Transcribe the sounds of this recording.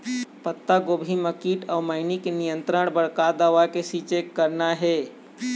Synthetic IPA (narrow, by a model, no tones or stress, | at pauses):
pət̪ːaɡoːbʱiməkiːʈɔːməɪnikenijə̃nt̪ɾəɳbəɽkad̪aʋakesit͡ʃekːəɾnaɦɛː